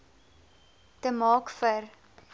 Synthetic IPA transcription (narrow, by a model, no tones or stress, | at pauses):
təmɑːkfər